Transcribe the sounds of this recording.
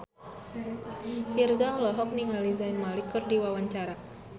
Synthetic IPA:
hirzaɔlɔɦɔk̚niŋalizajnmalikːɨrdiwawaɲt͡ʃaɾa

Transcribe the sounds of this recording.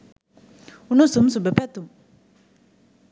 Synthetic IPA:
unusumsubɛpɛt̪um

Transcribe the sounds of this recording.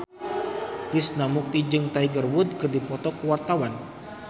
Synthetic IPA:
t̪isnamuk̚t̪id͡ʒɨŋt̪aiɡərwʊd̪̚kɨrdipɔt̪ɔkəwart̪awan

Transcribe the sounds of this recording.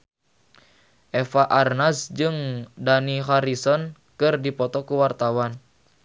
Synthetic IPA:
ʔɛfaʔarnasd͡ʒɨŋdaniɦaɾisɔn | kɨrdipɔt̪ɔkuwart̪awan

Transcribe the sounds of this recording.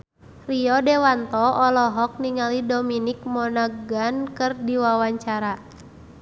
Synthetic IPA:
riɔdɛwant̪ɔʔɔlɔɦɔk̚niŋalidɔminik̚mɔnaɡankɨrdiwawaɲt͡ʃaɾa

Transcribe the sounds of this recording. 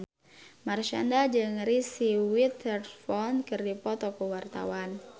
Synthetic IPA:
marʃandad͡ʒɨŋɾisiwit̪ɛrfɔnkɨrdipɔt̪ɔkuwart̪a̰wan

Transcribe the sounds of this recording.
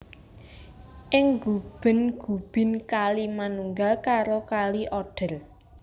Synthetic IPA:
ʔɪŋɡub̥ə̤nɡ̥ṳb̥ɪ̤nkalimanuŋɡakaɾokaliʔɔɖ̥ə̤r

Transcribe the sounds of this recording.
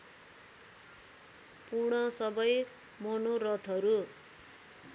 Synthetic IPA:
purɽ̃ʌsʌbʌj | monorʌt̪ʰʌɾu

